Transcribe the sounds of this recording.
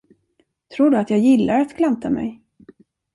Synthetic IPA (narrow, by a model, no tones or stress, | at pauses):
t̪ʰɾuːɖɵat̪jɑːɡjɪlːaɾat̪kʰlant̪ʰamɛ̰j